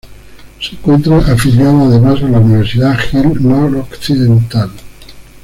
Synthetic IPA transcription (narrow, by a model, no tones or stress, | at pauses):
seŋkwent̪ɾaʔafiljaðoaðemasalauniβeɾsiðaxelnoɾokθiðent̪al